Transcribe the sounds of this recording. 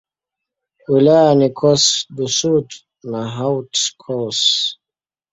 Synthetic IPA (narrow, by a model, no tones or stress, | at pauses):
wilajanikʰɔsdusut | naɦawtkʰɔs